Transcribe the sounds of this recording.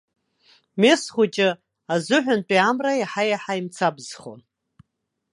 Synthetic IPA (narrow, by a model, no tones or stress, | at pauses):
me̞sχʷʊt͡ʃʼɪ | azɨħᶣʷʊnpʼiamrajaħajaħajmt͡sʰabzχo̰n